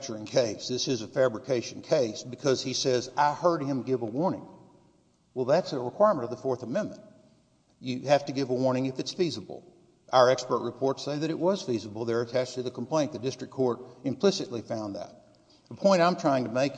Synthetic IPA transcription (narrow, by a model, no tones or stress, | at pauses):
t͡ʃə˞ɪ̃ŋkʰeɪsðɪsɨzɨfæbɹɨkʰeɪʃɨ̃n̩kʰeɪsb̥ɨkʰʌz̥isɛzaɪhɜ˞d̚ɨ̃mɡɪvəwɔɹnɪ̰̃ŋ | wɛlˠðætsɨɹɨkʰw̥aɪɹmə̃ɾ̃ʌvðəfɔɹθəmɛ̃nmɨ̰̃nʔ | ɨhæftɨɡɪvəwɔɹñɪ̃ŋɨfɨtsfizəbl̩ˠ | ʔaʊə˞ɛkspə˞tʔ̚ɹɨpʰɔɹtseɪðɨɾɨʔ̚wʌz̥fizəbl̩ˠðə˞ɨtʰæt͡ʃtʰɨðɨkʰm̩pʰl̥ẽɪ̃nðɨdɪstɹ̥ɨkʰːɔɹɾɨ̃mpʰl̥ɪsɨʔˡlifãʊ̃nðə̰t̚ | əpʰɔ̃ɪ̃ɾ̃ãɪ̃mtʰɹ̥aɪɪ̃ŋtɨmeɪk